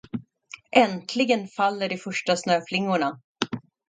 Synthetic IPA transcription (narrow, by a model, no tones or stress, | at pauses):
ʔɛnt̪ʰlɪɡənfalːəɖɪfœʂʈasnøːflɪŋːʊɳa